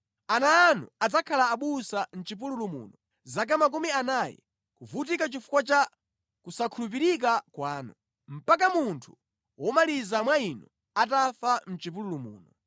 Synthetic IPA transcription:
anaːnṵad͡zakʰalaːɓusan̩t͡ʃipululumṵːnɔ | zak̬amak̬umianajɛ̰ | kuvut̬ikat͡ʃifu̥kwat͡ʃa | kusakʰulup̬iɾik̬akwaːnu | m̩pakamuntʰu̥ | wɔmalizamwainɔ | atafam̩t͡ʃip̬ululumṵːnɔ

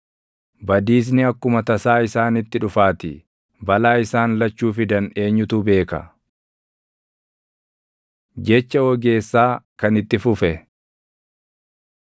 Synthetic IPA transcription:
bɐd̪iːs̬nɪɐkːʊmɐt̪ɐsaːɪsaːnɪt̪ːɪᶑʊfaːt̪ɪ̰ | bɐlaːɪsaːnlɐt͡ʃːuːfɪd̪ɐne̞ːɲːʊt̪ube̞ːkɐ̰ | d͡ʒɛt͡ʃːɐwɔɡe̞ːsːaːkɐnɪt̪ːɪfʊfɛ

